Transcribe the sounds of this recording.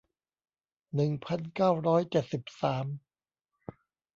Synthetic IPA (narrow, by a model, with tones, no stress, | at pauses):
nɯ˨˩ŋpʰa˧˥nkaː˥˩wɾɔː˦˥jt͡ɕe˨˩t̪̚si˨˩p̚saː˩˦m